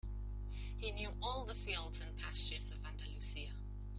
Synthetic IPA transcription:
hinjʉːʔɔːlˠðəfiːlˠdz̥ə̃npʰasɪt͡ʃɪz̥əvãndəlʉˑsiə

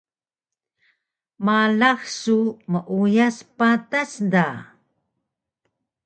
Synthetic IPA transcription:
malaxsuməʔujaspatasda

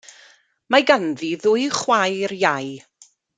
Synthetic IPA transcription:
maɡanðiðʊɨjχwajrjaj

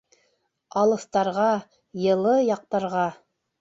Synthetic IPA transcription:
ɑlˠɤ̆θt̪ɑɾʁɑ | jɤ̆lˠɤjɑq̚t̪ɑɾʁɑ

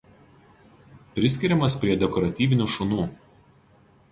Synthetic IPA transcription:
pʲɾʲɪsʲkʲɪɾʲɛmɐspʲɾʲiɛd̪ʲɛkɔɾɐt̪ʲiːʋʲɪnʲuʃʊnuː

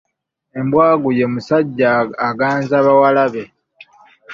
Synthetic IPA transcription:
e̞mbwaːɡuje̞musaɟːaːɡaːnzaβawalaβe̞

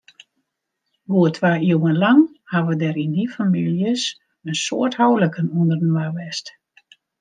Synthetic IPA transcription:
ʋoːətʰʋaːiəwənlaŋhaʋədɛɾindifamiljəs | ənso̰əthɔwləkənundərdənʋaʋɛst

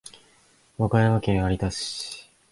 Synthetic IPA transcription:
βakajaβakeaɾʲit̪aɕ

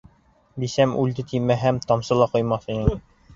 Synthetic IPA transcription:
d̪isæmʉld̪ɘt̪ʰimæɦæmt̪ɑmsɤ̆lˠɑqŏjmɑθinɘŋ

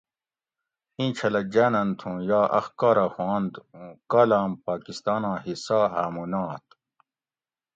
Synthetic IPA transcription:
hĩːt͡ɕʰɐlɐd͡ʑaːnɐnt̪ʰũjaːʔɐ̰xkaːɾahwãːnd̪ũkaːlaːmpaːkist̪aːnãːhisaːaːmunaːt̪

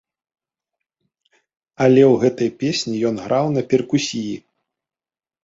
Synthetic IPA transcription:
ɐlʲɛwɣɛt̪ɐjpʲesʲnʲijɔnɣɾʔawnɐpʲɛrkusʲiji

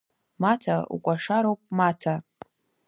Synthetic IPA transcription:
matʰaṵkʷʼaʂaɾowpʼmatʰa

